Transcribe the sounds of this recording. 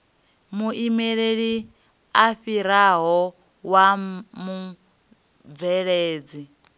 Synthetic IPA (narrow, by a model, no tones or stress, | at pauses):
muʔimɛɺeɺi | aɸiɾaɦɔ | wamu | b̪vɛɺeːd͡zi